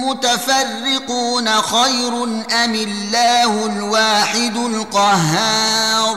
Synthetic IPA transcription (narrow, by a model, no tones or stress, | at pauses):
mʊt̪afarːɪquːnaxajɾʊnʔamɪlːaːhʊlwaːħɪd̪ʊlqɑɦaːɾˤ